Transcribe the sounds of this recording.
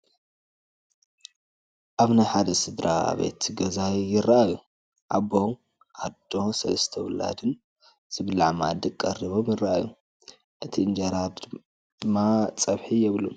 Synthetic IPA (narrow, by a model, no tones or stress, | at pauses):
ʔaβnajħad̪ɐsɨd̪ɾʔa̰βḛt̪ɡɐzaijɪraʔaju | ʕabo | ʔad̪o̞sɐlst̪ʰɐwɨla̰d̪ɨn | z̥ɨβɨlaʕma̰d̪ɨkʼɐriβo̞mjɪrɐʔaju | ʔɨt̪ʰiɨnd͡ʒɐɾad̪ | mːat͡sʼɐβħijɛβlu